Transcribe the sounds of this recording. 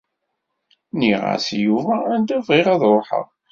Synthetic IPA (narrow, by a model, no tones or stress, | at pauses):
niʁa̰sjuvæænd̪ævʁɪʁæðˤɾˤoħə̰ʁ